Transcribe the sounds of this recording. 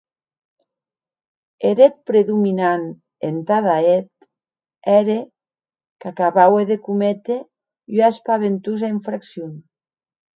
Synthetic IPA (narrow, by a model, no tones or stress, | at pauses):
eɾet̪̚pɾeðuminan | ent̪aðaet̪ | ɛɾe | kakaβaweðekumet̪e | yaespaβent̪uzaiɱfɾaksjun